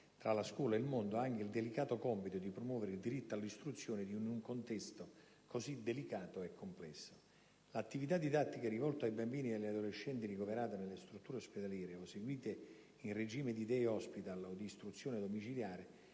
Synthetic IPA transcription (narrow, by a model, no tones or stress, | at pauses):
t̪ɾalaskwɔːlaeilmond̪oaaŋk̟eild̪elikaːt̪okɔmpit̪od̪ipɾomwɔːveɾeild̪iɾit̪ːoalːist̪ɾut̪sːjoːnɪd̪iunuŋkont̪ɛst̪o | kosid̪ːelikaːt̪oɛkʰːomplɛsːo | lat̪ːivit̪ad̪ːid̪at̪ːikɛrivɔlt̪oajbambiːnid̪elːad̪oleʃːɛnt̪irikoveɾaːt̪enelːest̪ɾut̪ːuːɾeosped̪aljɛːɾeoseɡwiːt̪e | inred͡ʒiːmɪd̪id̪ɛɔspit̪alod̪iːst̪ɾut̪sːjoːned̪omit͡ʃiljaːɾe